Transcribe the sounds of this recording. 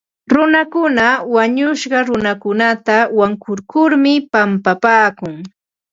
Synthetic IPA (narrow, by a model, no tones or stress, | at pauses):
ɾʊnakʊnawaɲʊʃɢɑɾʊnakʊnat̪awaŋkʊɾkʊɾmɪpampapaːkʊŋ